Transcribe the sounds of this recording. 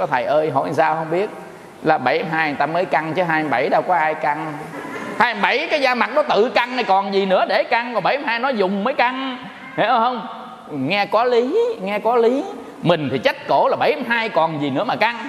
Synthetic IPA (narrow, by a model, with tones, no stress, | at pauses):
ɔ˨˦t̪ʰə˨˩jʔəː˧jɦo̰˧˨saː˧whə˧wŋ͡mɓi˦˥ət̚ | laː˨˩ɓa˧˨˩jha˨˦mɦaː˧jt̪aː˧məː˨˦jka˧ŋt͡ɕəː˨˦ɦaː˧ja˧˦ɓa˧˩jɗaː˧wkɔ˨˦ʔhaː˧jka˧ŋ | haː˧ja˧mɓa˧˩jkaː˨˦jzaː˧ma˨˩t̚nɔ˨˦t̪ɨ̰˧˨ka˧ŋna˨˩jkɔ˨˩nzi˨˩nɨ̰˧˥əɗe˧˩ka˧ŋkɔ˨˩ɓa˧˨˩jha˨˦haː˧jnɔ˨˦zʊ˨˩ŋ͡mməː˨˦jka˧ŋ | he˨˦˧whə˧wŋ͡m | ŋɛ˧kɔ˨˦li˨˦ŋɛ˧kɔ˨˦li˨˦ | mï˨˩ŋ̟t̪ʰi˨˩t͡ɕa˦˥t̚ko˧˩laː˨˩ɓa˧˩jha˨˦mɦaː˧jkɔ˨˩nzi˨˩nɨ̰˧˥əmaː˨˩ka˧ŋ